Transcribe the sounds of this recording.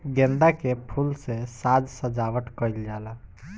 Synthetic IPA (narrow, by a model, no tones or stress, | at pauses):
ɡẽnd̪akepʰulsesad͡ʒsəd͡ʒaʋəʈkəjld͡ʒala